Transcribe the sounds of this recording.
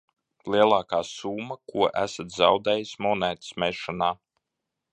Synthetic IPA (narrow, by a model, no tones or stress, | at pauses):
lˠiɛlˠaːkaːsuːmːakuɔʔæ̰sat̪zɑ̰wd̪ɛːjismɔnæːt̪smɛʃɔnaː